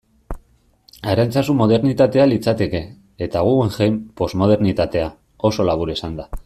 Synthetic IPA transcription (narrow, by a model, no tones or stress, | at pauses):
aɾalt͡sasummo̞ð̞e̞ɾnit̪at̪e̞alit͡sat̪e̞ke̞ː | t̪aɣ̞ueŋʝejmpo̞zmo̞ð̞e̞ɾnit̪at̪e̞a | o̞so̞laβ̞uɾesand̪a